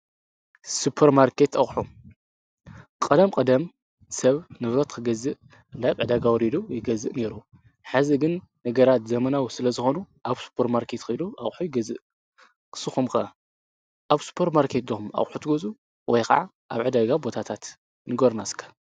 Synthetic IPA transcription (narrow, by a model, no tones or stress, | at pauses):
supʰːɐɾmaɾkʰe̞t̪ɐχʼħu | kʼɐd̪ɐmkʼɐd̪ɐm | sɐβnɨβɾɐt̪kʰɨɡɐzɨʔ | ndaβʕɨd̪aɡawɔɾid̪ujɪɡɐzɨʔne̞ɾu | ħaziɡɨnː | ɐɡɐɾat̪zɐmɐnawsɨlɐzɨxo̞nuʔaβsu̥pʰɐɾmaɾkʰe̞t̪kʰɨluʔɐχʼħujɪɡɐzɨʔ | ksɨxumkʰɐ | ʔaβsu̥pʰeɾmaɾkʰe̞t̪d̪omʔa̰χʼħut̪ʰɨɡɐzʼu | wɔjka̰ʕa | ʔaβʕɨd̪aɡabo̞t̪ʰat̪ʰat̪ | nɨɡoɾnaskʰḁ